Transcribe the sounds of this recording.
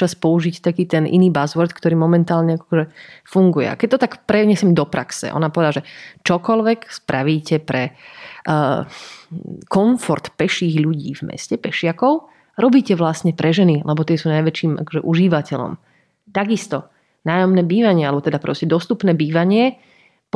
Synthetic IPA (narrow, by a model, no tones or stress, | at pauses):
t͡ʃaspɔuʒict̪akiːt̪ɛnʔḭniːbazʋɔɾt̪kt̪ɔɾiːmɔmɛnt̪aːlɲɛakɔ̥ɔʒɛfuŋɡujɛ̰a̰kɛc̚t̪ɔt̪akpɾɛɲɛsɛmd̪ɔpɾa̰ksɛ̰ʔɔ̰napɔʋɛd̪alːaʒɛt͡ʃɔkɔlʋɛkspɾaʋiːcɛpɾɛ | kɔɱfɔɾt̪pɛʃiːɣʎuɟḭːvmɛ̰scɛpɛʃɪakɔʊ | ɾɔbiːcɛʋlasɲɛpɾʔɛʒɛnilʔɛbɔt̪ɪɛsuːnajʋɛt͡ʃiːmʔa̰kɔ̥ʒɛʔuʒiʋacɛʎɔ̰m | t̪aɡist̪ɔ | naːjɔmnɛːbiːʋaɲɪɛalɛbɔt̪ɛd̪apɾɔscɛd̪ɔst̪upnɛːbiːʋaɲɪɛ | p